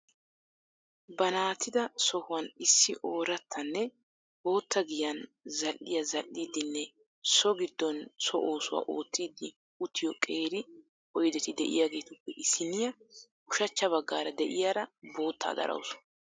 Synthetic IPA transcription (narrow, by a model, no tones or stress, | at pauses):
bɐnaːt̪ʰːɪd̪ɐsɔhʊwɐnɪsːɪʔo̞ːɾɐt̪ʰːɐnːɛ | bo̞ːt̪ːɐɡɪjɐnzɐlːɪjɐzɐlːiːd̪ːɪnːɛ | sɔɡɪd̪ːɔnsɔʔoːsʊwa̰ːʔo̞ːt̪ːiːd̪ːɪ | ʊt̪ʰːɪjɔkʼe̞ːɾɪ | ɔjd̪ɛt̪ɪd̪ɛʔɪ̰jaːɡe̞ːt̪ʊpːɛʔɪsɪnɪjɐ | ʊʃɐt͡ʃːɐβɐɡːaːɾɐd̪ɛʔɪjaːɾɐbo̞ːt̪ːa̰ːd̪ɐ̰ɾʔɐ̰wsʊ̥